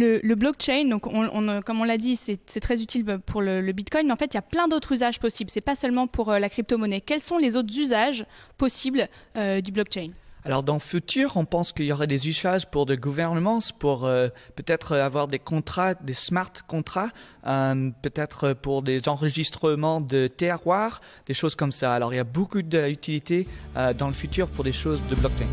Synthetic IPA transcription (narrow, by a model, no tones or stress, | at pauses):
lələblɔk̚t͡ʃɛjnd̪ɔ̃kɔ̃ɔ̃kɔmɔ̃lːad̪isɛsɛt̪χɛzyt̪ʰilpʰuʁlələbit̪kɔjnmeɑ̃fɛt̪iljaplɛ̃d̪ot̪χyzaʒpɔsiblsɛpasœlmɑ̃puʁlakχip̚t̪omɔnɛkʲɛlsɔ̃lezot̪χzyzaʒpɔsiblød̪yblɔk̚t͡ʃɛjnalɔʁd̪ɑ̃fyt̪yːʁɔ̃pɑ̃skəiljɔʁɛd̪ezyzaʒpuʁd̪əɡuvɛʁnəmɑ̃spuʁøpøt̪ɛt̪χəavwaʁd̪ekɔ̃t̪χad̪esmaʁt̪kɔ̃t̪χaømpøt̪ɛt̪χəpuʁd̪ezɑ̃ʁəʒist̪χəmɑ̃d̪ət̪eʁwaʁd̪̥eʃozkɔmsaːlɔʁiljabokud̪əyt̪ilit̪eød̪ɑ̃ləfyt̪yːʁpuʁd̪eʃozd̪əblɔk̚t͡ʃɛjn